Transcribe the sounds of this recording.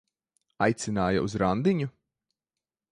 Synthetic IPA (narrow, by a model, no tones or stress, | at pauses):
a̰jt̪sʲinaːja̰ʔuzɾand̪iɲu